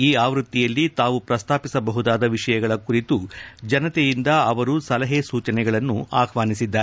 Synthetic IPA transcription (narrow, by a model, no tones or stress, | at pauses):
iːaːʋɾut̪ːijɐlːit̪aːʋupɾɐst̪ʰaːpisɐbɐɦud̪aːd̪ɐʋiʂɐjɐɡɐɭɐkuɾit̪ud͡ʒɐnɐt̪ɛjind̪ɐɐʋɐɾusɐlɐɦesuːt͡ʃɐnɛɡɐɭɐnːuaːkʰʋaːnisid̪ːa